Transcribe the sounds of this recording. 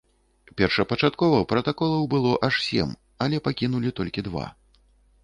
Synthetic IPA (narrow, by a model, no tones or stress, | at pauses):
pʲɛrʂɐpɐt͡ʂat̪kɔvɐpɾɐt̪akɔlˠɐwbɨlˠɔʔaʂsʲɛ̰m | ɐlʲɛpakʲinulʲit̪ɔlʲkʲid̪va̰